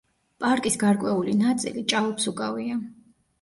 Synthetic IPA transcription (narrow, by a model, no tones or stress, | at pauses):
pʼaɾkʼisɡaɾkʼwɛulinat̪sʼḭlit͡ʃʼalɔpsukʼavia